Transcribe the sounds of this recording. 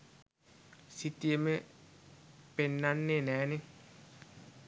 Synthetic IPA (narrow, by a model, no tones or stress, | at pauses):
sitːieme | penːanːenɛːnɪ